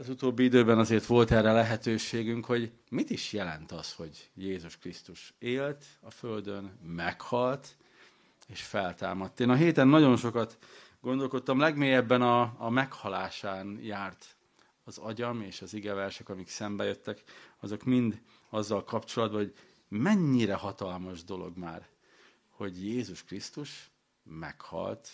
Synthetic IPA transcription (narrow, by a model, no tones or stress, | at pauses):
ɒzut̪oːbːiid̪øːbɛnɒzeːrt̪ʋo̞lt̪ɛrːɛlɛɦɛt̪øːʃeːɡyŋkho̞ɟ | mit̪iʃjɛlɛ̰nt̪ɒsho̞ɟjeːzuʃkrist̪uʃeːlt̪ | ɒføld̪ø̞nmɛkhɒlt̪ | eːʃfɛlt̪a̰ːmɒt̪ːeːnɒɦeːt̪ɛnːɒɟo̞nʃo̞kɒt̪ | ɡo̞nd̪o̞lko̞t̪ːɒmlɛɡmeːjɛbːɛnɒːmɛkhɒlaːʃaːnjaːrt̪ | ɒzɒɟɒmeːʃɒziɡɛvɛrʃɛkɒmiksɛmbɛjøt̪ːɛkɒzo̞kmind̪ | ɒzːɒlkɒpt͡ʃo̞lɒd̪̚bɒɦoɟ | mɛɲːiɾɛhɒt̪ɒlmɒʒd̪o̞lo̞̰ɡmaːr | ho̞ɟjeːzuʃkrist̪uʃ | mɛ̰khɒ̰lt̪